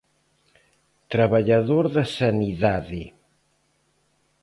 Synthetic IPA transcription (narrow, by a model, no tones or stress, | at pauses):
t̪ɾaβaʎaðoɾðɐsaniðaðɪ